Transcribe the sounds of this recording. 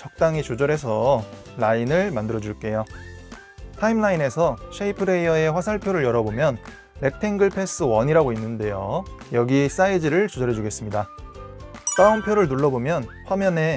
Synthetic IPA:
t͡ɕʌk̚t͈aŋit͡ɕod͡ʑʌɾe̞s̬ʰʌ | lainɯɭmandɯɾʌd͡ʑuɭk͈e̞jo | tʰaimnaine̞sʰʌɕʰeipʰɯɾe̞ʌe̞ɸwasʰaɭpʰjoɾɯɭjʌɾʌbomjʌnː | e̞k̚tʰe̞ŋɡɯɭpʰe̞s͈ɯwʌɲiɾaɡoinːɯnde̞jojʌɡis͈aid͡ʑiɾɯɭt͡ɕod͡ʑʌɾɦe̞d͡ʑuɡe̞s͈ɯmɲida | k͈aʌmpʰjoɾɯɭnuɭːʌbomjʌnɸwamjʌne̞

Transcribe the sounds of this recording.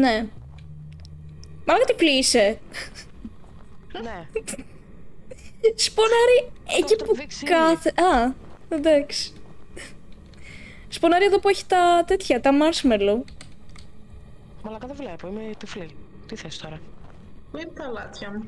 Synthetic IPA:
ne | mɐlɐɣɐt̪iflise | ne | sponɐɾiecipukɐθeʔɐed̪ɐksi̥ | sponɐɾieðopueçi̥t̪ɐt̪e̞t̪çɐt̪ɐmɐɾsmelo | mɐlɐkɐðevlepoimet̪ifli | t̪iθesi̥t̪oɾɐ | ipt̪ɐlɐt̪çɐ

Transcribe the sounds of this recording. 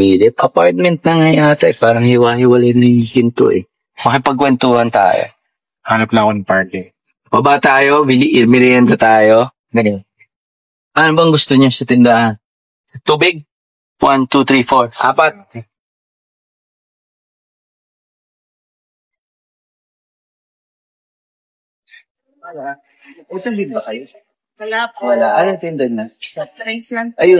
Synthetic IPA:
ilɪʔɐpojt̪̚mɛnt̪̚nɐŋɐjaːt̪ɛpaːɾɐŋhɪwaːhɪwɐlɛnɐjkɪnt̪o̰ʔɛ | mɐkɐpɐɡ̚kːwɛnt̪uːhɐnt̪a̰ːjo̰ | halɐplaŋonɐpaɹt̪ɛ | babat̪aːjovɪliʔɪmɪɾjɛnd̪ɐt̪aːjo | ɡɐnɛ | ʔɐnobɐɐŋɡʊst̪oɲosɐt̪ɪnd̪ɐʔan | t̪uːbɪɡ̚ | want̪ut̪ɾifoɹʔa̰ːpɐt̪̚ | ɐla | ɛt̪ɐnd̪ɪnbɐkɐjo | wɐlawɐlaʔɐnoŋt̪ɪnd̪ɐd̪̚nɐt̪ɾajsaʔɐjo

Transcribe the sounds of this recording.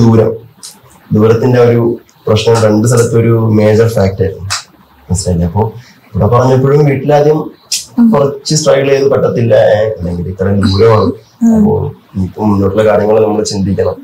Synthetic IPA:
d̪uːɾɐm | d̪uːɾɐt̪ːinde̞o̞ɾu | prɐɕnɐmre̞ɳɖɨs̬ɐlɐt̪ːo̞ɾume̞ːd͡ʑɐrfaːk̚ʈaːjɾunːu | enstɐjilːeɐpːo̞ː | uɽɐpɐrɐɲːɐpːo̞ːɻumʋiːʈːilːaːd̪jɐm | kurɐt͡ɕːɨsʈrɐjkiɭeːnːɨpɐʈːɐt̪ːilːɐɐnːeŋɡilit̪ːɐrɐd̪uːɾɐmaːɳɨ | ɐpːo̞̰ː | niːkːumːunːoʈːilːɐkaːɾjɐŋːɐɭnɐmːɐɭt͡ɕind̪ikʲːɐɳɐm

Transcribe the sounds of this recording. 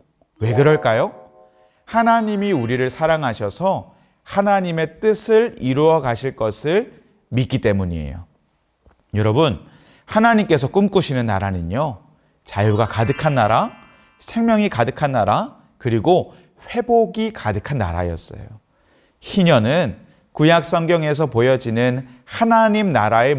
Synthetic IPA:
we̞kɯɾʌɭk͈ajo | hanaɲimiuɾiɾɯɭsʰaɾaŋɦaɕʰʌsʰʌ | hanaɲime̞t͈ɯsʰɯɭiɾuʌkaɕʰiɭk͈ʌsʰɯɭ | mit̚k͈it͈e̞muɲie̞̰jo̰ | jʌɾʌbun | hanaɲimk͈e̞sʰʌk͈ɯmk͈uɕʰinɯnːa̰ɾanɯɲo | t͡ɕajuɡakadɯkʰanːaɾa | sʰe̞ŋmjʌŋikadɯkʰanːaɾa | kɯɾiɡo | ɸwe̞boɡikadɯkʰanːa̰ɾa̰jʌs͈ʌ̰jo | çiɲʌnɯn | kujak̚s͈ʌŋɡjʌŋe̞s̬ʰʌpojʌd͡ʑinɯnhanaɲimnaɾae̞

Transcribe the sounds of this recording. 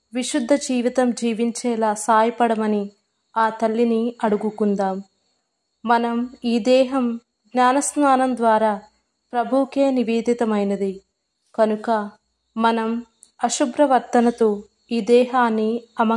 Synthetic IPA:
ʋiʃud̪ʱːɐd͡ʒiːʋit̪ɐmd͡ʒiːʋiɲt͡ʃɛːlaːsaːjɐpɐɽɐmɐni | aːt̪ɐlːiniɐɽuɡukund̪aːmː | ɐnɐmiːd̪ɛːɦɐm | ɡnaːnɐsnaːnɐmd̪ʋaːɾaː | pɾɐbʱuːkeːniʋiːd̪ʱit̪ɐmɐjnɐd̪i | kɐnukɐ | mɐnɐm | ɐʃubɾɐʋɐɾt̪ɐnɐt̪oː | iːd̪ɛːɦaːnːiɐmɐ

